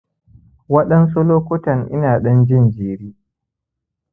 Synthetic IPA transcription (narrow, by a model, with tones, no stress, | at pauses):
wɐ˦ɗɐ˦nsu˦loː˦kʷʊ˦tɐ˨ŋʔɪ̰˦naː˨ɗɐ˦nd͡ʒɪ˦˨nd͡ʒeː˨ɽiː˦